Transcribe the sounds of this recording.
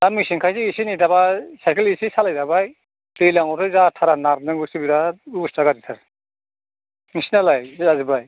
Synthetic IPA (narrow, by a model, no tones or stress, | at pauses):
amisiŋkʰajsiisinidabasajkʰelisisalajdabaj | tɯjlaŋɔɾtʰɯzatʰaɾanaɾnɯŋɡɯsibiɾaɾustaɡatisʰaɾ | ŋisinalajzazɯbaj